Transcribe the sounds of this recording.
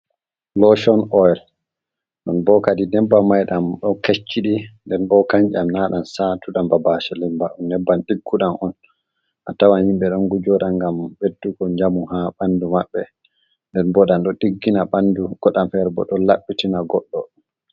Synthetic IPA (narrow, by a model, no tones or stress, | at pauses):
lɔʃɔnʔɔjɛl | ɗɔnbɔkadinɛbːamajɗamɗɔket͡ʃːiɗindɛnbɔkaɲt͡ʃamnaɗansatuɗambabaʃɛlɛmbaʔunnɛbːanɗiɡːuɗanʔɔn | ʔa̰tawanhimɓɛɗɔnɡud͡ʒɔɗaŋɡambetːuɡɔɲd͡ʒamuhaɓandumaɓːɛ | ndɛnbɔɗanɗɔɗiɡːinaɓanduɡ̥ɔɗamfɛɾbɔ̰ɗɔlaɓːitinaɡɔɗːɔ̰ɗun